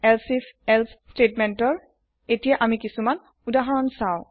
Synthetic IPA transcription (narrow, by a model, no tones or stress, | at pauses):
ɛlsisɛlsstetmɛntɔɹ | etijaʔamikisuman | udaɦɔɹɔnsaʊ̃